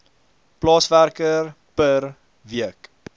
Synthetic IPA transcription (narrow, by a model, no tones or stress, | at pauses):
plɑːsværkər | pər | viək